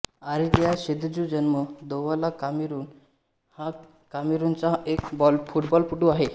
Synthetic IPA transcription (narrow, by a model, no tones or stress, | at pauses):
aɾid̪jaɕed̪d͡ʑud͡ʑənməd̪oʋalakamiɾuːn | ha | kamiɾunt͡saekbɔlfuʈbɔlpuʈuaɦe